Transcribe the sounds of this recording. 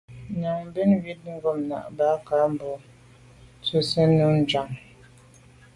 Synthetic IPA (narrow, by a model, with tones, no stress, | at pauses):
na˨ŋm˦bi˦nwi˦t̚ŋ̩˦ɡɔ˨mna̰˨ʔba˨˦ka˨˦m˨bɔ˨ | t͡su˦sə˦nu˦n̩˨d͡ʒa˨ŋ